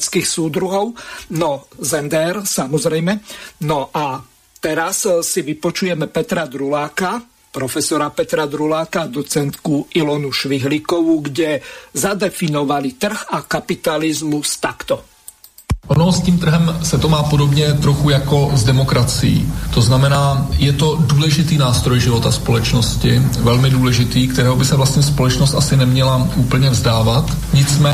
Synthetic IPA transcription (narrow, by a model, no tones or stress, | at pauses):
t͡skixsuːd̪ɾuɦɔʊnɔzɛnd̪ɛɛɾsamɔzɾɛjmɛnɔʔa | t̪ɛɾassiʋipɔt͡ʃujɛmɛpɛt̪ɾad̪ɾulaːka | pɾɔfɛsɔɾapɛt̪ɾad̪ɾulaːkad̪ɔt͡sɛnt̪kuilɔnuʃʋiɦlikɔʋuɡɟɛzad̪ɛfinɔʋalit̪r̩ɣakapit̪alizmust̪akt̪ɔ | ʔonɔsciːmt̪r̩ɦɛmsɛt̪omaːpodobɲɛt̪ɾoxujakozdɛmokɾat͡sɪ̰jḭːt̪oznamɛnaːjɛt̪oduːlɛʒɪt̪iːnaːst̪ɾɔjʒɪvot̪aspolɛt͡ʃnoscɪvɛlmɪduːlɛʒɪt̪iːk̚t̪ɛɾɛːɦɔbɪsɛvlast̪ɲɛspolɛt͡ʃnɔst̪asɪnɛmɲɛlaʔuːpl̩ɲɛvzdaːvat̪ | ɲɪt͡smɛː